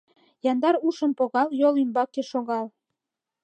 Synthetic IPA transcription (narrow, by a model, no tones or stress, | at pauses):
jɑnd̪ɑɾuʃə̆mpoɣɑljolymbɑkeʃoɣɑl